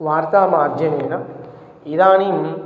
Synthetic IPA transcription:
ʋaːɾt̪aːmaːɾd͡ʒʱjɐneːnɐ | id̪aːnim

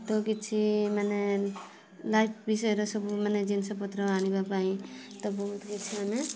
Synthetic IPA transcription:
t̪ɔkit̪̚t͡ʃʰimane | lajpʰbisʌeɾʌsʌbumaned͡ʒinsʌpʌt̪ɾʌanibapaĩt̪ʌbʌɦut̪kit̪t͡ʃʰimame

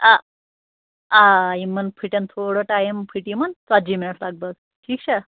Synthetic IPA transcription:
a | aimənpʰiʈant̪ʰoɽəʈajempʰiʈimənt͡sad͡ʑimiɭəʈlaɡ̚bəɡ | ʈʰiːkt͡ɕʰa

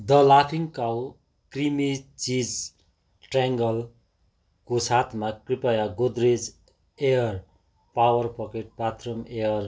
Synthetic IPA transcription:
d̪ʌlapʰiŋkaw | krimit͡sid͡z | ʈaŋɡʌl | kosat̪ʰmakripajaɡod̪red͡z | ejʌr | pawʌrpʌkeʈ̚pat̪rʌmejʌr

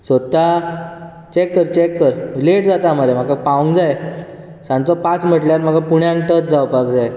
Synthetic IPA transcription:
sʋət̪a | t͡ɕekːəɾt͡ɕekːəɾleʈd͡zat̪am̤aɾam̤akapaũŋɡd͡zaj | sãnt͡sɔpat͡sm̤əʈljaɾm̤akapuɽjãŋʈət͡s̚d͡zawpakd͡zaj

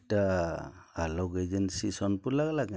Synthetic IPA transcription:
ta | alɔɡed͡ʒɛnsisɔnpulaklak

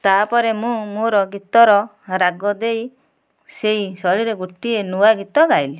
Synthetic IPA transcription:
t̪apɔɾemũmoɾɔɡit̪ɔɾɔ | ɾaɡɔd̪ej | seisɔɭiɾeɡuʈːienuaɡit̪ɔɡajli

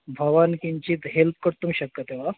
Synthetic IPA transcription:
bʱɐʋankiɲt͡ɕit̪ɦelp̚ʰkəɾt̪umɕəkːət̪eʋa

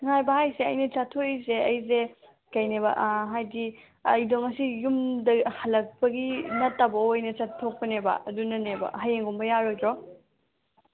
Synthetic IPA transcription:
ŋajbɐhajseɐ̰jnɐt͡ʃatʰojseɐjze | kɐjnebɐ̰ʔɦajdi | ɐ̰jdoŋɐsijumdɐhɐlːɐk̚pɐɡinɐtːabɐojnɐt͡ʃatʰːok̚pɐnebɐ̰ɐdunɐnebɐ̰ɦɐjeŋɡumbɐjaɾojdɾɔ

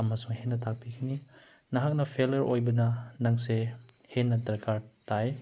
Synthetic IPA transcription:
ɐmɐsuŋhenːɐtʰak̚pikʰini | nɐɦak̚nɐpʰelɐɾojbɐnɐnɐŋse | henːɐtɾkʰaɾtaj

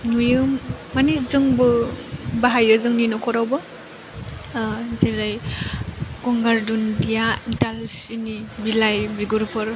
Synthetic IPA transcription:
nujɯmːanizɯŋbɯbaɦajɯzɯŋninɔkʰɔɾawbɯ | zeɾaj | kɔŋɡaɾdundijaitalsinibilajbiɡuɾpʰɯɾ

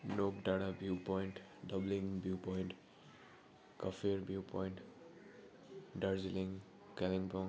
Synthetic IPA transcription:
nokɖaɽabjupɔiɳʈɖʌbliŋbjupɔjɳʈ | kʌfeɾbjupɔ̃ɪ̃ɳʈ | ɖaɾzilĩŋ | kɛlĩŋbɔ̃

